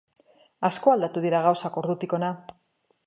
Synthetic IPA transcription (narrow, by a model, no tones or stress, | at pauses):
asko̞ald̪at̪uðiɾaɣ̞awsako̞ɾðut̪iko̞na